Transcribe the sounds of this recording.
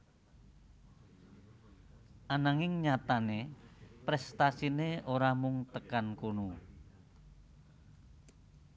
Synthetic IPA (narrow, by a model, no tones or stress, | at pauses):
ʔanaŋɪŋɲat̪anepɾɛst̪asineoɾamuŋt̪əkankonu